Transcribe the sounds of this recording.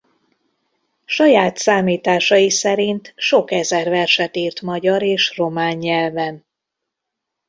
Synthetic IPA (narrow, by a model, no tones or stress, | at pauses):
ʃɒjaːt̪saːmiːt̪aːʃɒjisɛɾint̪ʃo̞kɛzɛrvɛrʃɛt̪iːrt̪mɒɟɒɾeːʃro̞maːɲːɛlvɛn